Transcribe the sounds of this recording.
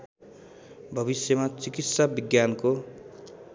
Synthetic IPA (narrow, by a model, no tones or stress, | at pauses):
bʱʌβisjʌmat͡sikit̪sabiɡjanko